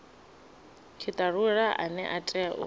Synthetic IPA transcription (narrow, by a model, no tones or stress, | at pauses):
kʰɪtʼaruɺaʔanɛ̰ʔatʼɛaʔʊ̰